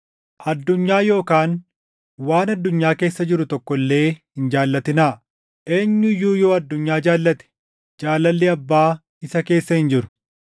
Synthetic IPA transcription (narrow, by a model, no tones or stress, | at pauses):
ʔɐd̪ːʊɲːaːjo̞ːkaːn | waːnɐd̪ːʊɲːaːke̞ːsːɐd͡ʒɪɾʊt̪ɔkːɔlːe̞ːhɪnd͡ʒaːlːɐt̪ɪnaː | ʔeːɲːʊɪjːuːjo̞ːɐd̪ːʊɲːaːd͡ʒaːlːɐt̪ɛ̥ | d͡ʒaːlːɐlːɪɐbːaː | ɪsɐke̞ːsːɐhɪnd͡ʒɪɾʊ̥